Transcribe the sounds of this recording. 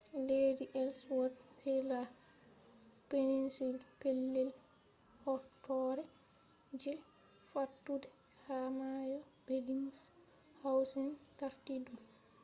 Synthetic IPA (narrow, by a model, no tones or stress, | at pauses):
lediʔɛlswɔdhɛla | peninsilpelːɛl | hɔɾtɔɾɛ | d͡ʒɛ | fatːudɛ | hamajɔbeliŋs | hawsɛnkaɾtidum